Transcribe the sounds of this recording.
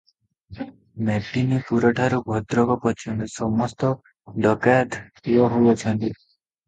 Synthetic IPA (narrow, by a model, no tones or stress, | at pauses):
meʈːinipuɾɔʈʰaɾubʱɔd̪ɾɔɡɔpɔt͡ʃʰɔnt̪isɔmɔst̪ɔ | ɖɔkad̪ | ɔɦowɔt͡ʃʰɔnt̪i